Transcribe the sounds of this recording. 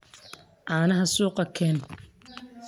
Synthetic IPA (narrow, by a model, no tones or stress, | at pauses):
ʔaːnɐɦɐsuːqɑkʰɛːn